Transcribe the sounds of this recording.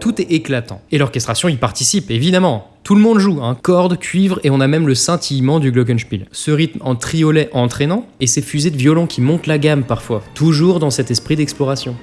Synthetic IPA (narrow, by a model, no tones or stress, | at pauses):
t̪ut̪ɛeklat̪ɑ̰̃elɔʁkɛst̪χasjɔ̃ipaʁt̪isipevid̪amɑ̃ | t̪uləmɔ̃d̪ʒuɛ̃kɔʁd̪kʲɥivʁeɔ̃namɛmləsɑ̃t̪ʰijmɑ̃d̪yɡlɔk̬ɛnʃpilsəʁit̪mɑ̃t̪χijɔlɛʔɑ̃t̪χenɑ̃esɛfyzed̪əvjɔlɑ̃kʲʰimɔ̃t̪laɡampaʁfwat̪uʒuʁd̪ɑ̃sɛt̪ɛspχid̪ɛksplɔʁasjɔ̃